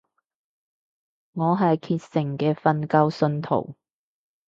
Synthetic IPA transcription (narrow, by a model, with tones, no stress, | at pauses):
ŋɔː˨˧ɦɐ˨jkʰiː˧t̚sɪ˨˩ŋkɛː˧fɐ˧nkɐ˥wsɵ˧nt̪ʰo̰˨˩w